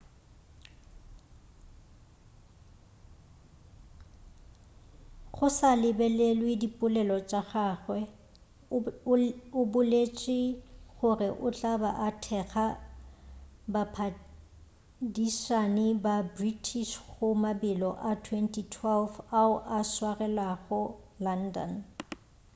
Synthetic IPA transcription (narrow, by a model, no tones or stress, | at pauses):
ɣʊsalɪbɛlelwedipʼʊlɛlɔt͡ʃʼaɣaːɣwɛ | ʊbʊlet͡ʃʼɪɣʊrɪʔʊt͡ɬʼabaʔatʰɛɣa | bapʰa | diʃanɪbabritʰiʃɣʊmabɪlɔʔatʰwɛntʰʼitʰwɛlfaʊʔaswarɛlaɣʊlandɔ̰n